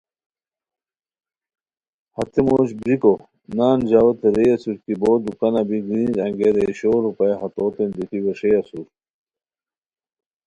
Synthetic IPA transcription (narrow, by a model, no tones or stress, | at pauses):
hɐt̪emoːɕbɾiko | naːnd͡ʑaːwɐt̪eɾejɐsuɾkiboːd̪ukɐnɐbiɡɾiːnɾɐ̃ŋɡeɾeɕoːɾupɐjɦɐt̪oːt̪end̪it̪iweʂeɐsuɾ